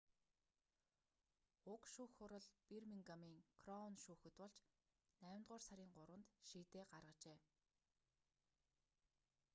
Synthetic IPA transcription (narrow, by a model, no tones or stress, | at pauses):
ʊkʃuːxʊɾə̆ɮpirmiŋɡamiːŋkʰrɔnʃuːxɘ̆t̪pɔɮt͡ɕ | næːmt̪ʁʊːrsaɾʲiːŋɢʊɾwə̆nt̪ʃiːt̪eːɢarʁə̆t͡ɕeː